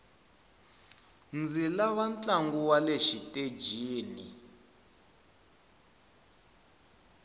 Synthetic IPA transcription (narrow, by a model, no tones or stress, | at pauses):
nd͡zilaβant͡ɬʼaŋɡuwaleʃitʼed͡ʒiːnḭ